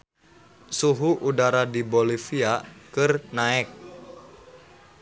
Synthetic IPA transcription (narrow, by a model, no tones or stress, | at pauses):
suɦuʔudaɾadibolifiakɨrnaɛk̚